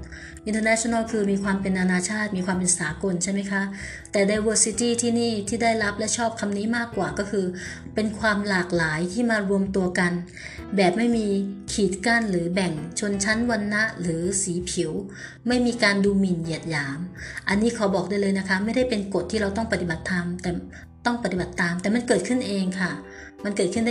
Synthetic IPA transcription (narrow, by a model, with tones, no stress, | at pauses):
ʔi˧nt̪əː˧nɛ˦˥t͡ɕʰo˧na˥˩lkʰɯː˧miː˧kʰwaː˧mpe˧nːa˧naː˧t͡ɕʰaː˥˩t̪̚miː˧kʰwaː˧mpe˧nsaː˩˦ko˧nt͡ɕʰa˥˩jma˦˥˩jkʰa˦˥ʔ | t̪ɛː˨˩daː˧jwɤː˧si˦˥t̪iː˥˩t̪ʰiː˥˩niː˥˩t̪ʰiː˥˩da˥˩jɾa˦˥p̚lɛ˦˥t͡ɕʰɔː˥˩p̚kʰa˧mniː˦˥maː˥˩kːwaː˨˩kɔː˥˩kʰɯː˧ | pe˧nkʰwaː˧mlaː˨˩k̚laː˩˦jt̪ʰiː˥˩maː˧ɾu˧əmt̪u˧ɐka˧n | bɛː˨˩p̚ma˥˩jmiː˧kʰiː˨˩t̪̚ka˥˩nɾɯː˩˦bɛ˨˩ŋt͡ɕʰo˧nt͡ɕʰa˦˥nwa˧nːa˦˥ʔɾɯː˩˦siː˩˦pʰi˩˦əw | ma˥˩jmiː˧kaː˧nduː˧mi˨˩nji˨˩ət̪̚jaː˩˦mʔa˧nːiː˦˥kʰɔ˩˦bɔː˨˩k̚daː˥˩jlɤː˧jna˦˥kʰa˦˥ma˥˩jda˥˩jpe˧nko˨˩t̪ʰːiː˥˩ɾa˧wt̪ɔ˥˩ŋpa˧t̪i˨˩ba˨˩t̪ʰːa˧mt̪ɛː˨˩ | t̪ɔ˥˩ŋpa˧˩t̪i˨˩ba˨˩t̪ːaː˧mt̪ɛː˨˩ma˧nkɤː˨˩t̪̚kʰɯ˥˩nʔeː˧ŋkʰa˥˩ | ma˧nkɤː˨˩kʰɯ˥˩da˥